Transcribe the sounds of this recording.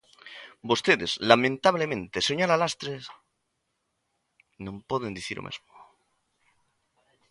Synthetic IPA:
bost̪eðezlamẽnt̪aβlemẽnt̪esoɲalalast̪ɾe | nõmpoðend̪iθiɾo̰mʔḛzmo̥

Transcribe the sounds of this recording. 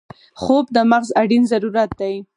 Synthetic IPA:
xob̚d̪əmaɣzaɽinzaɾuɾat̪̚d̪aj

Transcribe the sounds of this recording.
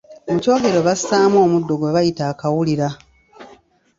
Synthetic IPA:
omuco̞ːɡe̞ɾo̞βasaːmo̞ːmudːo̞ɡweβajitaːkawuliɾa

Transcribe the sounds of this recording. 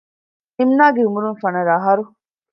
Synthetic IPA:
imnaːɡeumuɾunfɐnɐɾaɦɐɾu

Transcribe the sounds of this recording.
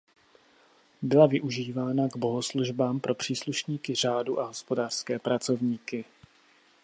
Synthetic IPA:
bɪlavɪʔuʒiːvaːnaɡbo̞ɦosluʒbaːmpɾo̞pr̥iːsluʃɲiːkɪr̝aːduʔaɦo̞spo̞daːr̥skɛːpɾat͡so̞vɲiːkɪ

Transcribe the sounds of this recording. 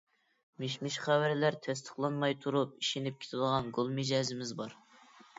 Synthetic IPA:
meʃmɪʃχæwæɾlæɾt̪ʰɛst̪ʰə̥χlˠɑnmɑjt̪ʰuɾup̚iʃinɪp̚kʲʰe̥t̪ʰɪd̪əʁɑnɡolˠmɪd͡ʒɑzɪmɪzbɑɾ

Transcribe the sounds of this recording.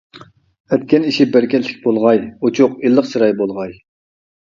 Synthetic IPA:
ɛt̪̚kʲɛniʃibæɾkʲʰɛt̪lːɪ̥kʲbolˠʁɑjot͡ʃʰʊqilˠːəqsʰɨɾɑjbolˠʁɑj

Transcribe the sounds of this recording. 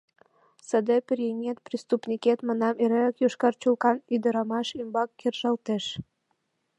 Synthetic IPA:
sə̆d̪ĕpərjeŋet̪prist̪upnʲiket̪mənɑmeɾeləkjuʃkɑrt͡ɕulkɑnyd̪əɾɑmɑʃymbɑkːerʒɑlt̪eʃ

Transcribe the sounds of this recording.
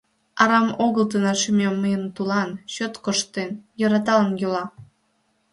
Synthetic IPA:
ɑɾɑmoɣəlt̪ənɑʃymʲemːəjənt̪ulɑnɕot̪koʃt̪enjəɾɑt̪ɑlənjølɑ

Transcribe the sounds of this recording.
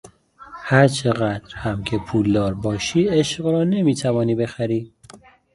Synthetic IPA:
hæɾt͡ʃʰe̞ɣæd̪̥ɾhæmcʰepʰuːld̪ɒːɾbɒːʃiːeʃɢɾɒːne̞miːt̪ʰævɒːniːbe̞xæɾiː

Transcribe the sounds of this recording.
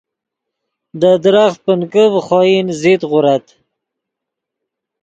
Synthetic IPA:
d̪əd̪ɾaxt̪̚pənkəvχɔjinzit̪ʁʊɾat̪

